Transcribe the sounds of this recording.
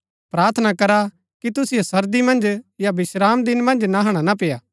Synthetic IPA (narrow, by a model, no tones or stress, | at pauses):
pɾaːɾt̪ʰənakɐɾa | kit̪ʊsɪjosɐɾd̪imɐ̃nd͡ʒjabɪʃɾaːmd̪ɪnmɐ̃nd͡ʒnaɦɐɽ̃anap̬ejaː